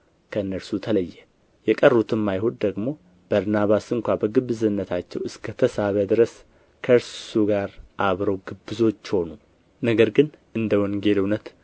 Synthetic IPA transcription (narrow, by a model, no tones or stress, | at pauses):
kʰəɨnːəɾsut̪ʰələjːɛ | jɛkʼərːut̪ʰɨmːajɦod̪d̪əɡmo̞ | b̥əɾnaβasɨŋkʷabəɡɨβɨzɨnːət̪ʰat͡ʃːɛwɨskʰət̪ʰəsaβəd̪ɨɾəs | kʰəɨɾsuɡaɾʔaβɾəwɡɨbːɨzo̞t͡ʃːho̞nu | nəɡəɾɡɨnʔɨnd̪əwɔŋɡe̞lɨwnət̪